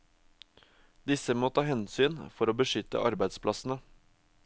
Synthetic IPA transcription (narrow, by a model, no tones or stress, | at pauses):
d̪ɪsəmoːt̪ʰɑːhɛnsyːnfɔɾoːbəʃʏt̪ə̰ʔɑɾbæɪd̪spʰlɑsn̩ə